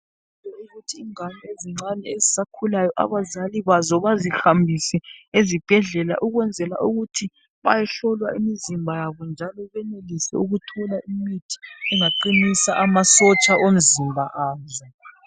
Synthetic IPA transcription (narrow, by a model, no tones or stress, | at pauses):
ilɔuɣutʰiːŋanieziŋ͡ǀanɛezisakʰulajɔʔa̰βazaliβazɔβazixambʱisɛezib̥ʱɛɮɛla̰ʔuɣwɛnd͡zʱɛla̰ʔuɣutʰi | βajɛɬɔlwaimizimbʱajaβɔnd͡ʒʱalɔβɛnelisɛ̰uɣutʰɔlaʔimitʰi̥ɛŋaǃinisaʔamasɔt͡ʃʼaʔom̩zimbʱaʔaːzɛ